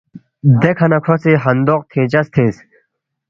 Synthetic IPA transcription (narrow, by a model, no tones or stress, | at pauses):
d̪ekʰɐnɐkʰoseːɦɐnd̪oːq̚t̪ʰẽːt͡ɕɐst̪ʰeːs